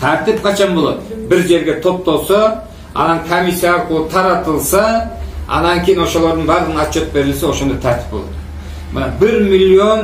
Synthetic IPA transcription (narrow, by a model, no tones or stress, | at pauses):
t̪ʰæɾt̪ɪpqʰɑt͡ʃʰɑnbolˠad̪əbɪɾʒe̞ɾɡʲe̞t̪ʰop̚t̪olˠsɑ | ɑ̰nɑŋkʰomisijɑqulˠt̪ʰɑɾɑt̪əlˠsɑɑ̰nɑŋʲkʲʰejinwo̞ʃolˠoɾd̪əɴbɑɾləʁənɑt̪t͡ʃʰːot̪̚be̞ɾɪlsewo̞ʃo̞nd̪ɑt̪ʰæɾt̪ʰɪ̥p̚bolˠɑ̰d̪̥ə | mənɑbɪɾmilʲːion